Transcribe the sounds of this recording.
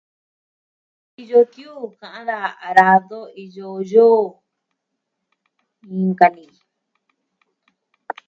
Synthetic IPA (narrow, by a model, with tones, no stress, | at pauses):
i˧jo˧t̪ju˦˨kã˨ʔã˦ða˧˨a˨ɾa˧ðo˦i˧jo˧joː˦˨ | ĩ˧ŋka˧nĩ˨